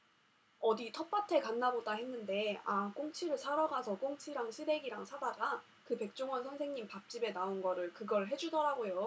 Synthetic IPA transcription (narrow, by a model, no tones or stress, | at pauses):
ʌditʰʌp͈atʰe̞kanːabodaɦe̞nːɯnde̞ak͈oŋt͡ɕʰiɾɯɭsʰaɾaɡasʰʌk͈oŋt͡ɕʰiɾaŋɕʰide̞ɡiɾaŋsʰadaɡa | kɯpe̞k̚t͡ɕ͈oŋwʌnsʰʌnsʰe̞ŋɲimpap̚t͡ɕ͈ibe̞naonɡʌɾɯɭkɯɡʌɭɦe̞d͡ʑudʌɾaɡojo